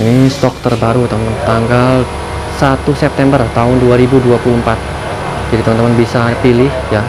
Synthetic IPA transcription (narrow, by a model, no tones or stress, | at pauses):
inist̪ɔk̚t̪ərbaɾut̪əmənt̪aŋɡal | sat̪usɛp̚t̪ɛmbərt̪aɦʊnduaɾibuduapuluəmpat̪̚ | d͡ʒadit̪əmənt̪əmənbisapilɪhja